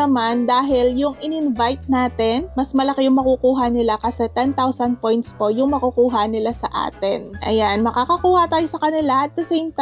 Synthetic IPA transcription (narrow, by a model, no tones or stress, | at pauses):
ɐmand̪aːɦɪljʊŋʔɪnɪnvajt̪̚naːt̪ɛnmɐsmɐlɐkɪjʊŋmɐkukuːɦɐnɪlakɐsɛt̪ɛnt̪awsɐnd̪̚po̞jnt̪spo̞ʔjʊŋmɐkukuːɦɐnɪlasɐʔa̰ːt̪ɛnʔɐ̰janmɐkaːkɐkuːhɐt̪aːjosɐkɐnɪlaʔɐt̪̚d̪ɐsejmt̪